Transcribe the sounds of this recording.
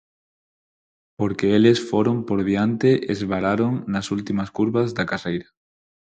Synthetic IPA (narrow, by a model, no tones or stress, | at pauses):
poɾkeelesfoɾompoɾðiant̪eʔezβaɾaɾoŋnasult̪imaskuɾβazðakarejɾa